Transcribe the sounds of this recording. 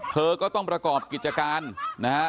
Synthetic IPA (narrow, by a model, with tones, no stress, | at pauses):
t̪ʰɤː˧kɔː˥˩t̪ɔ˥˩ŋpɾa˧kɔː˨˩p̚ki˨˩t̪̚t͡ɕa˧kaː˧nna˦˥kʰa˦˥